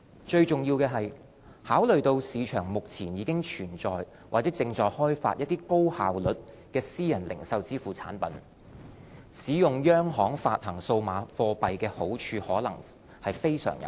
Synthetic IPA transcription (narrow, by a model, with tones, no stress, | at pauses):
t͡ʃɵ˧ɥt͡ʃʊ˨˩ŋjiː˧wkɛː˧ɦɐ˨j | haː˨˥wlɵ˨ɥt̪o˧wsiː˨˧t͡ʃʰœː˨˩ŋmʊ˨k̚t͡sʰiː˨˩njiː˨˧kɪ˥ŋt͡ʃʰyː˨˩nt͡sɔː˨j | wʔaː˨˩t͡sɛː˨˥t͡sɪ˧ŋt͡ʃɔː˨jhɔː˥jfaː˧t̚jɐ˥t̚t̪iː˥ko˥whaː˨wlɵ˨t̚ | kɛː˧siː˥jɐ˨˩nlɪ̰˨˩ŋsɐ˧wt͡siː˥fuː˨˩t͡sʰa̰ː˨˥npɐ̰˨˥n | siː˨˥jʊ˨ŋjœː˥ŋɦɔː˨˥ŋfa̰ː˧t̚hɐ˨˩ŋso˧wmaː˨˧fɔː˧pɐ˨jkɛː˧ho˨˥wt͡ʃʰyː˧hɔː˨˥lɐ̰˨˩ŋ | hɐ˨jfe˥jsœ̰ː˨˩ŋjɐ̰˨˦w